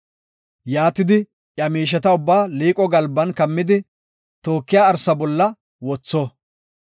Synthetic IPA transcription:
jaːt̪ɪd̪ɪ | ʔjɐmiːʃ̬ɛt̪ɐʊbːaːliːkʼɔɡɐlbːɐnkɐmːɪd̪ɪ | t̪o̞ːkːɪjaːɾsɐbɔlːɐ | wɔt͡sːɔ

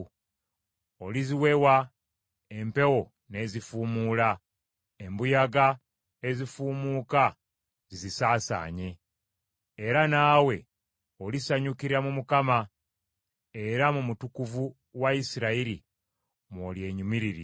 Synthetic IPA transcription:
o̞liziwe̞wa | empe̞wo̞ | ne̞zifuːmula | e̞mbujaɡa | e̞zifuːmuːka | zizisaːsa̰ːɲe̞ː | ɾanaːwe̞ | olisaɲukiɾamumukama | e̞ɾamumutukuvu | waisiɾaiɾi | molje̞ːɲumiɾiɾḭ

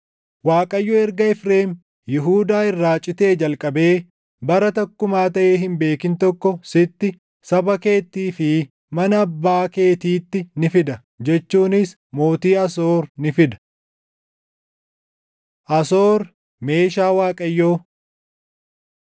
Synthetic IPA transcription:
waːkʼɐjːoːɛɾɡɐɛfɾe̞ːm | jɪɦuːd̪aːɪrːaːt͡ʃʼːɪt̪e̞ːd͡ʒɐlkʼɐbe̞ː | bɐɾɐt̪ɐkːʊmaːt̪ɐʔeːɦɪmbe̞ːkɪnt̪ɔkːɔsɪt̪ːɪ | sɐbɐke̞ːt̪ːiːfɪ | mɐnɐːbːaːke̞ːt̪iːt̪ːɪnɪfɪd̪ɐ | d͡ʒɛt͡ʃːuːnɪs | mo̞ːt̪iːɐs̬oːɾnɪfɪd̪ɐ̥ | ʔɐsoːɾ | me̞ːʃaːwaːkʼɐjːoː

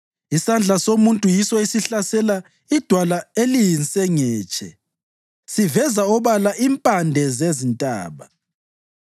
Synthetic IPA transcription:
isand͡ɮʱasomuntʼujisɔisiɬasɛla | id̥ʱwalaelijinsʼɛŋɛːt͡ʃʼɛ̰ | sivɛzaɔβalaʔimpʼandʱɛzezintʼa̰ːβa

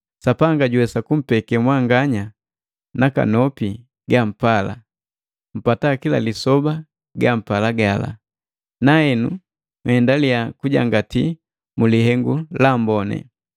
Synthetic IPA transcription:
sapaŋɡaɟuwɛsakum̩pɛkɛmwaŋɡaɲa | naka̰nɔpi | ɡam̩pala̰ | m̩patakila̰lisɔba | ɡam̩palaɡala̰ | naɛnṵ | mhɛndaliakuɟa̰ŋɡati | mulihɛŋɡulambɔnɛ̰

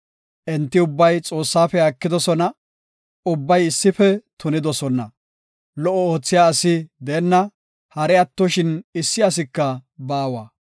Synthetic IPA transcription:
ʔɛnt̪ːɪʊbːɐjt͡sʼo̞ːsːaːfɛɐkːɪd̪ɔsɔnɐ | ʊbːɐjɪsːɪfɛt̪ʊnɪd̪ɔsɔnɐ̰ | lɔʔːɔoːt͡sːɪjaːsɪd̪ɛːnːɐ | hɐɾɛɐt̪ːɔʃɪnɪsːɪɐs̬ɪkːɐbaːwaː

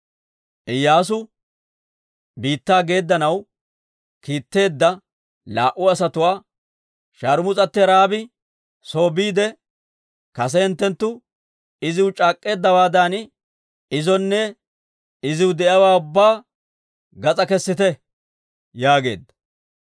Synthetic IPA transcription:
ʔɪjːaːs̬ʊ | biːt̪ːaːɡe̞ːd̪ːɐnɐw | kiːt̪ːe̞ːd̪ːɐ | laːʔʊɐsɐt̪ʊwaː | ʃaːɾʊmʊt͡sʼɐt̪ːɪɾaːbɪ | so̞ːbiːd̪ɛ | kɐsɛɪnt̪ːɛnt̪ːʊ | ɪzɪwʊt͡ʃʼaːkʼːe̞ːd̪ːɐwaːd̪an | ɪzɔnːɛ | ɪzɪwʊd̪ɛʔɐwaːʊbːaː | ɡɐt͡sʼɐkɛsːɪt̪ɛ | jaːɡe̞̰ːd̪ːɐ̥

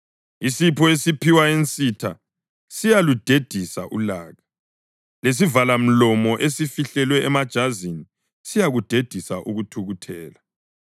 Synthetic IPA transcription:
isipʰɔesipʰiwaent͡sʼitʰa̰ | sijalud̥ʱed̥ʱisa̰ʔṵlaːɣa | les̬ivalam̩lɔmɔʔesifiɬɛlwɛɛmad̥ʒ̥ʱazini | sijaɣud̥ʱed̥ʱisaʔuɣutʰuɣutʰɛːla

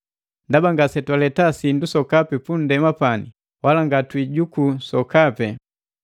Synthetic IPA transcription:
ndabaŋɡasɛtwalɛtasindusɔkapɛpun̩dɛmapani | walaŋɡatwiɟukusɔkapɛ

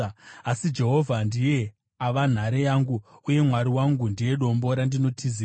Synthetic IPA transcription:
asid͡ʒe̞ɦo̞vʱandije̞ | aʋan̤aɾejaːŋɡuuje̞mwaɾiwaŋɡundije̞ɗo̞mbo̞ɾandino̞tʰizi

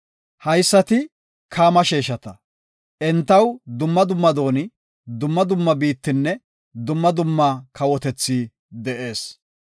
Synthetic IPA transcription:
hɐjsːɐt̪ɪ | kʰaːmɐʃeːʃɐt̪ɐ | ʔɛnt̪ːɐwd̪ʊmːɐd̪ʊmːɐd̪o̞ːnɪ | d̪ʊmːɐd̪ʊmːɐbiːt̪ːɪnːɛ | d̪ʊmːɐd̪ʊmːɐkɐwɔt̪ɛt͡sːiː | d̪ɛʔe̞ːs

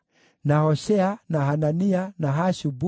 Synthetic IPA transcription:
nahɔʃɛanahananianaɦaʃubu

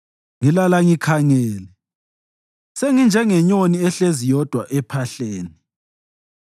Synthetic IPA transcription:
ŋilalaŋikʰaŋɛːlɛ | seŋind͡ʒʱɛŋɛɲoniɛɬezijɔd̥ʱwaʔɛpʰaɬeːni

